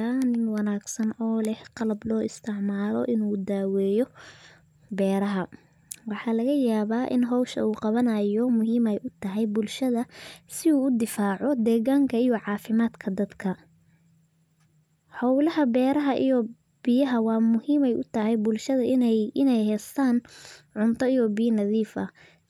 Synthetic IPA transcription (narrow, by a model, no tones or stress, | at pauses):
aːnɪŋwɑnaːɡsɐnɔːlɛhqɑlɐblɔːɪst̪ʰɪʕmaːlɔ̰ʔɪnuːd̪aːwɛːjɔ | bɛːɾɐɦɐ | wɑħɑːlɐɣɐjaːβaːʔɪ̰nɦɔwʃɐ̰uːqɑβɐnɐjɔmʊɦiːmɛjʔʊt̪ʰɐɦɛjbʊlʃɐðɐsɪuːʊd̪ɪfaːʕɔd̪ɛːɣaːŋkʰɐijɔʕɑːfɪmaːd̪kʰɐd̪ɐd̪kʰɐ | hɔwlɐɦɐbɛːɾɐɦɐʔijɔ | b̥ɪjɐɦɐwɑːmʊhiːmɛjʔʊt̪ʰɐɦɛjbʊlʃɐðɐʔɪnɛjɪnɛjhɛːst̪ʰaːnʕʊnt̪ʰɔijɔbɪjɐnɐðiːfɐ̰